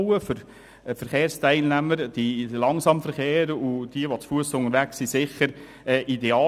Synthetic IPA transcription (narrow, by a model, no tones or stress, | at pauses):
wəfʏɾ | fəɾχeːɾstæɪlnæməɾd̥ilɑŋsɑmfəɾχeːɾud̥iəʋɔt͡sfuəsʊŋəɾʋæksisɪχəɾ | ɛːʔideɑː